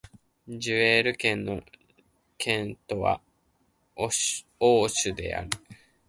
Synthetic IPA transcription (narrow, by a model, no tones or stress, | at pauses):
d͡ʑɨeːɾɯ̟kẽ̞nːo̞̰ | kʰẽ̞nt̪o̞βa̰ | oːɕɨd̪e̞̰ʔa̰ɾɯ̟